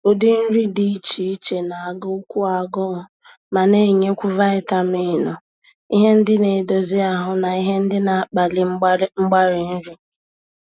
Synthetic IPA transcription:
o˦di˦n̩˦ɾi˦di˦i˦t͡ʃi˨i˦t͡ʃe˨na˨a˨ɡʊ˦kʷu˦a˨ɡɔ˦ʊ˨ | ma˨ne˦˨ɲe˦kʷu˦va˦ɪ˦ta˦mɪ˦˨nɔ˨ | i˦ɦe˦n̩˦dɪ˦ne˨do˨zi˦a˨ɦʊ˦na˨i˦ɦe˦n̩˦dɪ˦na˨˦k͡pa˨lɪ˦ŋ͡m̩˦ŋ͡m̩˦ɡ͡ba˦ɾɪ˨n̩˦ɾi˦

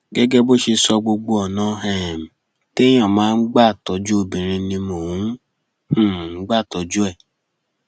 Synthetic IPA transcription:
ɡɛ˦ɡɛ˦bo˦ʃe˧sɔ˧ɡ͡bo˧ɡ͡bo˧ɔ˨nã˨˧˦ɦɛ˨m̩˨ | te˦j̃ã˦˨mãː˨˦n̩˦ɡ͡ba˦˨tɔ˨˧d͡ʒu˦o˦˨bĩ˨ɾ̃ĩ˧nĩ˧mo˨wũ˨˦ | hũ˨˦ɡ͡ba˦˨tɔ˨˦d͡ʒu˦ɛ˦˨

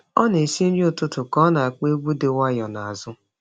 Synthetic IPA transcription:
ɔ˦ne˨si˦n̩˦ʊ˨tʊ˦tʊ˨kɔ˦na˨a˨k͡pe˦ɡ͡bu˦de˨wa˦jɔ˨na˨a˨zʊ˦

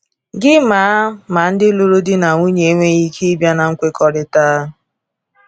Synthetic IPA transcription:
ɡɪ˦maː˨˦ma˨n̩˦dɪ˦lo˦ɾo˦dɪ˦na˨ŋʷu˦ɲe˨˦ŋʷe˦ɣi˦kʰi˦bja˦na˨ŋ̩˦kʷe˦kɔ˨ɾɪ˨taː˦

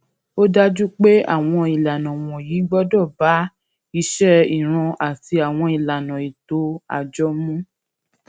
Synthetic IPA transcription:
o˦da˦d͡ʒu˦k͡pe˦a̰˦˨w̃ɔ̃˧i˨la˨nã˨w̃ɔ̃˨jiː˨˦ɡ͡bɔ˦dɔ˦˨ba˨˦ | i˧ʃɛ˦i˨ɾ̃ã˧ʔa˨ti˧a˨w̃ɔ̃˧i˨la˨nã˨i˨to˨˦a̰˧˨d͡ʒɔ˦mũ˦

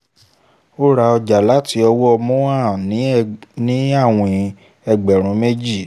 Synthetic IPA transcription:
o˦ɾa˧ɔ˧d͡ʒa˨la˨˦ti˦ɔ˧wɔ˦ɔ˧mɔ̃˦a˦˨nĩ˨˦nĩ˨˦a˦˨w̃ɔ̃˨˦ | ɛ˧ɡ͡bɛ˨ɾ̃ũ˨˦me˦d͡ʒi˦˨

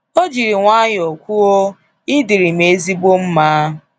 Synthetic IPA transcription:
o˦d͡ʒi˨ɾi˨ŋʷa˦ɲ˨o˨kʷu˦o˦ | ɪ˦di˨ɾi˨me˨˦zi˦bo˦m̩˦maː˦˨

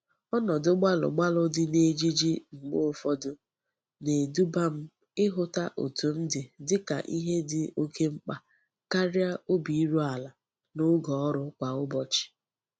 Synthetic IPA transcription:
ɔ˦nɔ˨dʊ˦ɡ͡ba˦lʊ̰˨ɡ͡ba˦lʊ˨dɪ˦ne˦d͡ʒi˦d͡ʒi˦ŋ͡m̩˨ɡ͡bo˦˨fɔ˦dʊ˦ | ne˨du˦ba˦m̩˦ | ɪ˦ɦʊ˦ta˦ʔo̰˨tu˨m̩˦dɪ˨dɪ˦ka̰˨ʔi˦ɦe˦dɪ˨o˦ke˦ŋ͡m̩˦k͡pa˨ | ka˦ɾja˦o˦bi˨i˦ɾu˦a˨la˨ | nʊ˦ɡɔ˨ɔ˦ɾʊ˦kʷa˨ʊ˦bɔ˨t͡ʃɪ̥˨

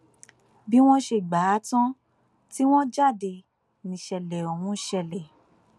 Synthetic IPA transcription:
bi˦w̃ɔ̃˦ʃe˧˨ɡ͡ba˨˦tɔ̃˦ | ti˦w̃ɔ̃˦d͡ʒa˦˨de˧ | nĩ˨ʃɛ˨lɛ˨o˨mũ˧˦˨ʃɛ˧lɛ˨

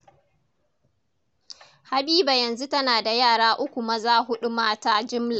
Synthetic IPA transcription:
ha˨biː˦ba˨jɐ˨nzu˦tɐ˦naː˨da˨jaː˦˨ɽaː˦ʔʊ˦kʷu˨mɐ˦zaː˦ɦʊ˦ɗu˦maː˦taː˦d͡ʒɪ˦mla˨

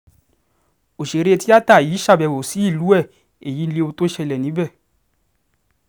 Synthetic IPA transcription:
o˨ʃe˨˦ɾe˦˧ti˦a˦ta˦˨jiː˨˦ʃa˦˧˨bɛ˧˨wo˨si˨˦i˦˨lu˨˦ɛ˦˨ | e˨ji˨˦n̩˦le˧o˧to˦ʃɛ˧lɛ˨nĩ˨˦bɛ˦˨

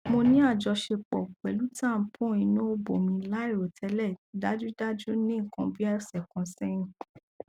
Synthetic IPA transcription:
mo˧nĩ˦a˦˨d͡ʒɔ˧ʃe˧k͡pɔ˨k͡pɛ˨lu˦tã˦˨pʰũ˦i˧nũ˦o˦bo˨mĩ˧la˦i˦˨ɾo˨tʰɛ˨˧˦lɛ˦˨i˨da˦d͡ʒu˦da˦d͡ʒu˦nĩ˦˨kɔ̃˧bi˦ɛ˦˨sɛ˨kɔ̃˨˧sɛ˦ñũ˦

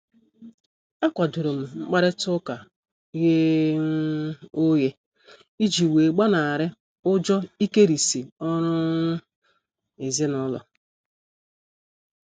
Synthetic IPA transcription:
a˦kʷa˨dʊ˨ɾʊ˨m̩˨ŋ͡m̩˦k͡pa˦ɾɪ˦tʊ˦ka˨˦ | ɣe˦ | o˦ɣe˦ | i˦d͡ʒi˨we˨ɡ͡ba˦na˨a˨ɾɪ˦ | ʊ˦d͡ʒɔ˦i˦ke˦ɾi˨si˨ɔ˦ɾʊ˦ | ɪ˨zɪ˦nʊ˦lɔ̰˨

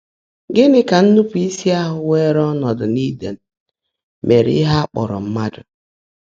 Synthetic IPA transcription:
ɡɪ˦nɪ˨ka˨n̩˦nu˦pi˦si˦a˦ɦʊ˨we˦ɾɔ˦nɔ˨dʊ˨ni˦de˨n̩˨ | mʔe˨ɾḭ˦ɦa˦k͡pɔ̰˨ɾɔ̰˨m̩˦ma˦dʊ̰˨

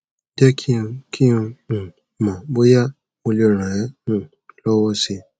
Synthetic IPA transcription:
dɛ˦kʰĩ˦˧kʰĩ˦˧ũ˨ | mã˨bo˦ja˦ | mo˧li˦o˨ɾã˨ɛ̃˦nũ˦˨ | lɔ˦wɔ˦si˧

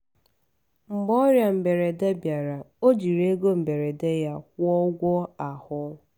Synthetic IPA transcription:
m̩˨bɔ˦ɾja˨m̩˨be˨ɾe˨de˦bja˨ɾa˨o˦d͡ʒi˨ɾe˦ɡo˦m̩˨be˨ɾe˨de˦ja˦kʷɔ˦ɡʷɔ˦a˨hʊ˦

